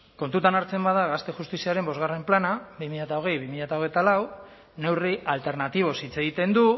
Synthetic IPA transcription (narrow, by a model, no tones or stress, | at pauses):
ko̞nt̪ut̪anaɾt͡se̞mbað̞aɣast̪e̞xust̪isiaɾe̞mbo̞zɣare̞mplanaβimiʎat̪aoɣ̞e̞jβimiʎat̪ao̞ɣ̞ejt̪alaw | ne̞wriʔalt̪e̞ɾnat̪iβ̞o̞sit͡se̞ɣit̪e̞nd̪u